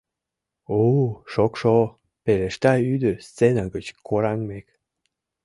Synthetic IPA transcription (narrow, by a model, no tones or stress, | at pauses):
oʃokʃo | peleʃt̪ɑyd̪əst͡senaɡət͡ɕkʰoɾɑŋmek